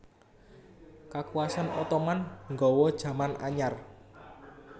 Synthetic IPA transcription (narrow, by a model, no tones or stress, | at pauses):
kakuwasanɔt̪ɔmanŋɡɔwɔd̥ʒ̥ä̤mana̰ɲar